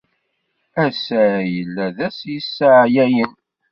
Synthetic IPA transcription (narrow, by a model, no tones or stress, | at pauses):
æsæjəlːæðæsjəsːəʕjæjən